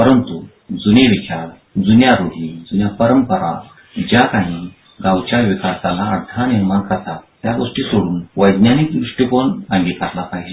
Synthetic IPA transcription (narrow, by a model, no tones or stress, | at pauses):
pəɾənt̪u | d͡zuneʋit͡ɕaɾ | d͡zunjaɾod̪ʱid͡zunjapəɾəmpəɾa̰ | d͡ʑjakãɦĩ | ɡãwt͡ɕjaʋikasalaːɽd̪ʱaniɾmankəɾt̪at̪ːjaɡoʂʈiːsoɽuːnʋəjd̪nanik̚d̪ɾuʂʈjikonãŋɡit̪kaɾlapaɦjd͡ʑe